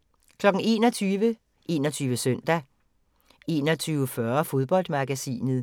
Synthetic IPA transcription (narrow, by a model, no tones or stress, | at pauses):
kʰlɒ̽ɡ̥n̩e̝ːnɒt͡sʰyːʋə | ʔe̝ːnɒt͡sʰyːʋəsœn̰d̥æ | e̝ːnɒt͡sʰyːʊəfɶɐfo̝ð̞ˠb̥ɒ̽l̰d̥mɑ̈ɡ̥æsḭːnð̞̩ˠ